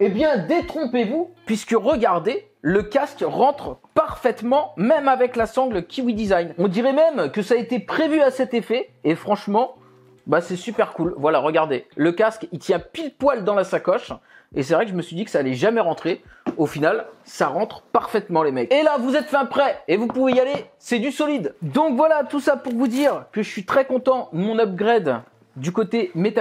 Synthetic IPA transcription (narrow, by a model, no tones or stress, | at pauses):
ebjɛ̃d̪et̪χɔ̃pevupɥiskəʁəɡaʁd̪e | ləkʲaskʁɑ̃t̪χpaʁfɛt̪mɑ̃mɛmavɛklasɑ̃ɡlkʲiwid̪izajnɔ̃d̪iʁɛmɛmkəsaet̪epχevyasɛt̪efɛefχɑ̃ʃmɑ̃ | basɛsypɛʁkulvwalaʁəɡaʁd̪eləkaskit̪jɛ̃pid̪pwald̪ɑ̃lasakɔʃ | es̬ɛvʁɛkʒəməsɥid̪ikə̥saːlɛʒamɛʁɑ̃t̪χe | ofinalsaʁɑ̃t̪χpaʁfɛt̪mɑ̃lemɛkelavuzɛt̪fɛ̃pχɛevupuvejalesɛd̪ysɔlid̪d̪ɔ̃kvwalat̪usapuʁvud̪iʁkəʒəsɥit̪χɛkɔ̃t̪ɑ̃d̪əmɔ̃nab̚ɡʁɛd̪ | d̪ykot̪emet̪a